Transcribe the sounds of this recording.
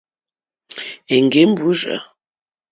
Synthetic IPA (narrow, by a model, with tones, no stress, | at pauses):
e˨ŋ˨ɡe˨˦m̩˦bu˨˦ʒə̰˨